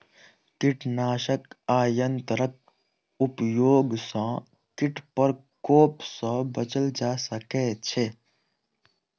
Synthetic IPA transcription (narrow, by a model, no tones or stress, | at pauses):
kɪʈnaːʃəkaːjənt̪ɾək̚ | ʊpjoːɡsã | kɪʈpəɾkoːpsãbət͡ʃəld͡ʒaːsəket͡ʃʰe